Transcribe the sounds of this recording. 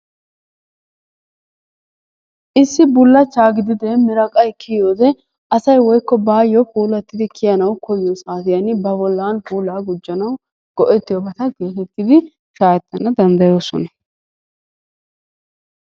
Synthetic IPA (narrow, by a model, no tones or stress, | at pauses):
ʔɪsːɪbʊlːɐt͡ʃːaːɡɪd̪ɪd̪eːmɪɾɐkʼɐjkʰɪjoːd̪ɛ | ʔɐsɐjwɔjkːɔbaːjːɔpuːlɐt̪ːɪd̪ɪkʰɪjɐnɐwkʰɔjɪjɔsaːt̪ɪjɐnɪbɐbɔlːaːnpuːlːaːɡʊd͡ʒːɐnɐw | ɡ̥ɔʔɛt̪ːɪjɔbɐt̪ɐɡe̞ːt̪ɛt̪ːɪd̪ɪ | ʃaːjɛt̪ːɐnɐd̪ɐnd̪ɐjo̞ːsɔ̰nɐ